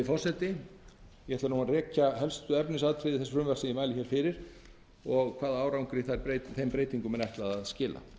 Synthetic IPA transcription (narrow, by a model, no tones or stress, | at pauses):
ɪfɔr̥sɛt̪ɪ | jɛhɛt̪aɾnuːnarɛːcaɦɛlst̪ʏɛpnɪsaːðt̪ʰɾɪðɪθɛsʏ̥ɾʏmvɛr̥sɪimaːjlɪçɛːɾ̥fɪɾɪɾ̥ | ɔɣkʰvaːðaaːwɾawŋkɾɪθaɾpɾeːjt̪θejmpɾeːjt̪iŋkʏmɛnɛht̪laðaðscɪːla̰